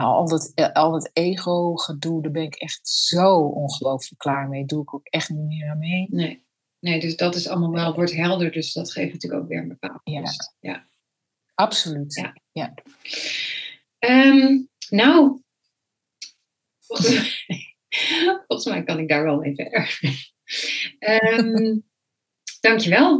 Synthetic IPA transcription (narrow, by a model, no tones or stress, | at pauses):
naɑ̰lˠdɑtɑlˠdɑtejχowχədulˠdaːɹbɛnɪkɛχtz̥owʔɔnχəlowfələkːlaːɹmejduɪkoʊkɛχtnitmɪːəɹamɦejnnej | nejdøsdɑtɪsɑ̰lˠəmalˠʋɛlˠʋɔɹtɦɛlˠdəɹdøsdɑtχejftnətyːəko̰wkʋɪ̰ːɹənbəpa̰ːlˠjasja̰ | ʔɑpsolytja̰ | ja | əmnow | fɔl | fɔlˠχəsmɛjkɑnɪɡ̚daːɹʋɛlˠmejvɛ̰ɛɹf | əm | d̥ɑŋkjəʋɛlˠ